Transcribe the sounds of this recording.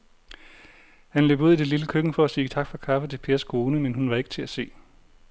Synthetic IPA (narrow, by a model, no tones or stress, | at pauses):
hænløːb̥uð̰ˠid̥e̝liləkʰøɡ̥ŋ̩fɒ̽æsiːt͡sʰɑ̈ɡ̥fɒ̽kʰɑ̈fət͡sʰe̝pʰe̝ːɐsɡ̥ʰo̝ːnəmenɦunʋɑ̈e̝ɡ̥ət͡sʰe̝æse̝̰ː